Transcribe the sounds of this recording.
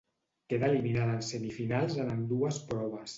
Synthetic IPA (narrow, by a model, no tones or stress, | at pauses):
keðəliminaðəːnsəmifinalˠzənənd̪uəspɾɔβ̞əs